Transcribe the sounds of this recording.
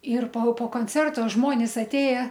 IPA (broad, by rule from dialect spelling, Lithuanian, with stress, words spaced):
ɪr poː poː koːnʲˈt͡sʲɛrtoː ˈʒmoːnʲɪs ɐtʲˈeːjɛ